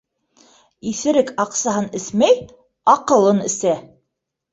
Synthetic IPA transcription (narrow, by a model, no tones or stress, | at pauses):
iθɘ̆ɾɘkɑqsɑɦɤnɘθmæj | ɑqɤ̆lˠɤnɘ̆sæ